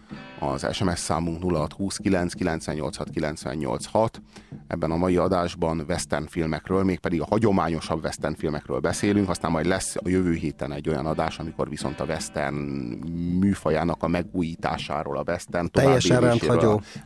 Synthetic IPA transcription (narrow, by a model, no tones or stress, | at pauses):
ɒ̰zɛ̰ʃɛmɛsːa̰ːmuŋknulːɒɦɒt̪huːskilɛnskilɛnt̪sʋɛɲɲo̞̰lt̪shɒt̪kilɛnt̪sʋɛ̰ɲːo̰lt̪shɒt̪ɛ̰bːɛnɒmɒjiɒd̪aːʒbɒnvɛst̪ɛrnfilmɛkrøːlmeːk̚pɛd̪iɡɒhɒɟo̞maːɲo̞ʃɒbvɛst̪ɛnfilmɛkrø̰ːlbɛseːlyŋkɒst̪aːmːɒjd̪lɛsːɒjøvøːɦeːt̪ɛnɛɟːojɒ̰nɒd̪aːʃɒmiko̞̰rviso̞n̪t̪ɒvɛst̪ɛ̰rn | myːfɒjaːnɒkɒmɛɡuːjiːt̪a̰ːʃa̰ːɾo̰ːlɒvɛst̪ɛrnt̪oɛvajːɛʃiɛnrɛnːɒoː